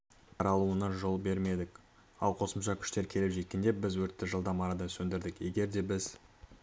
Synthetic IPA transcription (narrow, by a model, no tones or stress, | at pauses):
ɑɾɑlˠuənɑʒo̞lˠbe̞ɾme̞d̪ɪk | ɑlˠqʰo̞səmʃɑkʲʰʏ̥ʃt̪e̞ɾkʲʰe̞lepʒe̞t̪̚kʲe̞nd̪e̞bɪzwɵɾt̪ːɪʒəlˠd̪ɑmɑɾɑd̪ɑnsɵnd̪ɪɾd̪ɪkje̞ɡʲe̞ɾd̪e̞bɪz